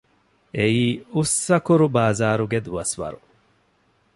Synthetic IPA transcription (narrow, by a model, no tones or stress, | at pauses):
eiːusːɐkuɾubaːzaːɾuɡed̪uʋɐsʋɐ̰ɾu